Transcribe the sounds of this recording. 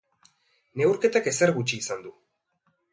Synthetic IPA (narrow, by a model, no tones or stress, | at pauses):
ne̞wɾke̞t̪ake̞seɾɣut͡ʃiːsand̪u